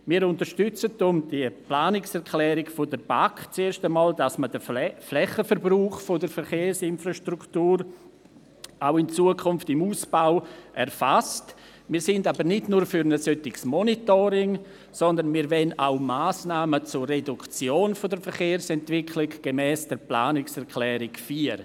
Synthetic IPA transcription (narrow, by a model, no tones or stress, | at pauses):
miːɾʊntəɾʃtʏt͡sət̚dʊmd̥iəplaːnɪksɛɾkʰlɛːɾɪɡfodəɾb̥akt͡seːɾʃtəmɑːldasmədəflɛχəfəɾbruːχfodəɾfəɾχeːsɪnfraʃtruktuːɾ | aʊɪnt͡suəkʰʊnftɪmuːsb̥aʊʔɛrfast | miːɾsɪndabəɾnɪdnuːɾfyɾnəsœtɪɡsmɔnitoɾɪŋ | sɔndənmiːɾvɛnaʊmaːsnaːmət͡sʊrredʊkt͡sjoːnfodəɾfəɾχeːɾsɛntvɪkʰlɪɡɡ̥emɛːsd̥əɾpla̰ːnɪksɛɾkʰlɛːɾɪkfiːəɾ